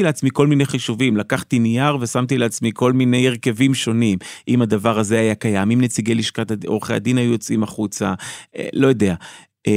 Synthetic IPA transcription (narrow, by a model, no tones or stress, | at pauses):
ileat͡smiko̞lmine̞jχiʃuvimlakaχt̪inijaʁve̞samt̪ileat͡smiko̞lmine̞jeʁke̞vimʃo̞nimʔimad̪avaʁaze̞ajakajamimnet͡siɡeliʃkat̪oʁeχea̰d̪inajujot͡simaχut͡saḛlo̞jod̪e̞a